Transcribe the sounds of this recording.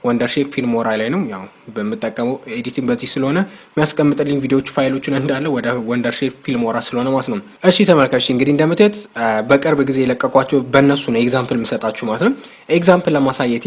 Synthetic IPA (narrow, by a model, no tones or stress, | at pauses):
wɔnd̪əɾʃefilmoɾalajnəwjaw | bəmːɨt̪ʼːəkʼːəməwed̪it̪ʰɨnbəzːihsɨləho̞nəmːijaskʼəmːɨt̪ʼɨlːɨɲvid̪ewo̞t͡ʃːfajlo̞t͡ʃːɪnɨnd̪alːəwɔd̪əwɔnd̪əɾʃepfilmoɾasɨləhonəmalət̪nəw | ʔɨʃːit̪ʰəməlkʰəʃːiɨŋɡɨd̪iɨnd̪əmɨt̪ʰət̪bəkʼɨɾbɡize̞jɛləkʼːəkʼwat͡ʃːɛwbənːəsunəwekzampəlmːɨsət̪ʼat͡ʃːumalət̪nəw | ekzampləmasajːɛt̪